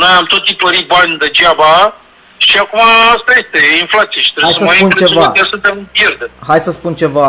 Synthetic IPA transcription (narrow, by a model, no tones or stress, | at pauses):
nojamt̪o̞t̪sipəɾit̪̚banʲd̪ed͡ʒaba | ʃiakumaast̪aje̞st̪einflat̪sijeʃi̥t̪ɾeajsəsəmspunet͡ʃevaat̪iasunt̪empjerd̪emɦajsəspunt͡ʃe̞va